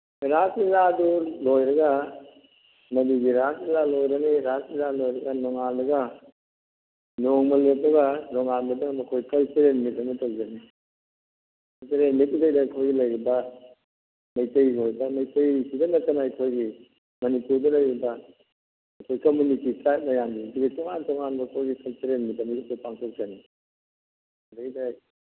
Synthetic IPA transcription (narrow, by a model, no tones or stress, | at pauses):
ɾasizadulojɾɐɡɐ | mɐdiɡiɾasizalojɾɐniɾasizalojɾɐɡɐnɔŋandɐɡɐ | noŋmɐlotːɐɡɐnɔŋanbɐdɐmɐkʰojkɐlseɾenmit̚ːɐnɐtokd͡ʒɐni | kɐlseɾenmitudɐjdɐɐkʰojɡilɐjɾibɐ | mɐjtɐjoɾbɐmɐjtɐjsidɐnɐtɐnaɐkʰojɡi | mɐnipuɾdɐlɐjɾibɐː | kʰojkomunititajt̚mɐjamdiɐduɡɐtɔŋantɔŋanbɐkʰojɡikɐlseɾenmitɐmikip̚opaŋtʰok̚d͡ʒani | dajdaj